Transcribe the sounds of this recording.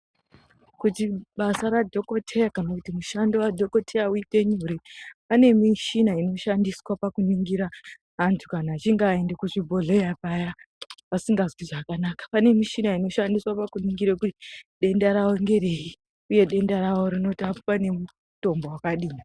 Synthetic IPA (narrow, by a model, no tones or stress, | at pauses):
kutiɓasaɾadʱo̞ko̞tʰe̞jakanakutimuʃandowadʱo̞ko̞tʰejauite̞ɲuɾipane̞miʃinaino̞ʃandiswapakuniŋɡiɾaː | ntʰu̥kanaːt͡ʃiŋɡae̞ndekuʐibʱo̞ɮejapajaʋasiŋɡazwiʐakanaːkḁpane̞miʃinaino̞ʃandiswapakuniŋɡiɾekutiɗe̞ndaɾaoŋɡe̞ɾe̞i | uje̞ɗe̞ndaɾawo̞ɾino̞tiapopane̞mu | to̞mbowakaɗiːni